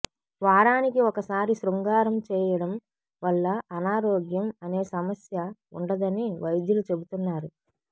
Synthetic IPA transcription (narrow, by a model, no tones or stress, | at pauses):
ʋaːɾaːnikiɔkɐsaːɾisɾuŋɡaːɾɐmt͡ʃɛːjɐɽɐm | ʋɐɭːɐːnaːɾoːɡjɐmɐne̞ːsɐmɐsjɐṵɳɖɐd̪ɐniʋɐjd̪julut͡ʃe̞but̪unːaːɾu